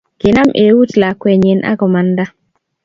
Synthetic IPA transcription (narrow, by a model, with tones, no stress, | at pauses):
ɡ̥e˨na˦mʔe˨˦wu˦tla˨kwɛ˨ɲe˨nʔa̰˦ɡɔ˨ma˨nda˦